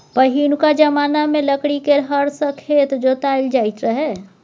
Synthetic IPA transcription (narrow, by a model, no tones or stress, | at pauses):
pəɦiːnkad͡ʒɐmaːnamẽləkɽikeɾɦəɾsəkʰeːt̪d͡ʒot̪aːɪld͡ʒaːɪt̪ɾəɦɛː